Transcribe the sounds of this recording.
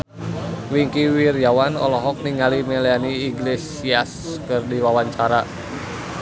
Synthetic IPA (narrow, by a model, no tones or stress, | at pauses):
wiŋkiwirjawanɔ̰lɔɦɔk̚niŋalimɛlianiːɡles | iaskərdiwawaɲt͡ʃaɾa